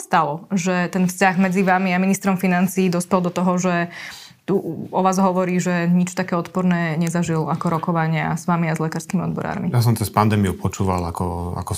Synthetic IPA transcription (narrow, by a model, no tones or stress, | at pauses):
st̪alɔʒɛt̪ɛnfscaɣmɛd͡ziʋamiaminist̪ɾɔmfinant͡siːd̪ɔspɛld̪ɔt̪ɔɦɔʒɛ | t̪uɔʋaːzɦɔʋɔɾiːʒɛɲit͡ʃt̪akɛːɔt̪pɔɾnɛːɲɛzaʒilakɔɾɔkɔʋaɲɪa̰z̥ʋamiazlɛkaːɾskiːmiɔd̪bɔɾa̰ːɾmijas̬ɔmt͡sɛspand̪ɛːmijupʰɔt͡ʃuːʋa̰lakɔa̰kɔ